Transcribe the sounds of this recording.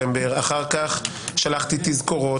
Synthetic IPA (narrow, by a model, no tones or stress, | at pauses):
embe̞ʁaχaʁkaχ | ʃalaχt̪it̪izko̞ʁo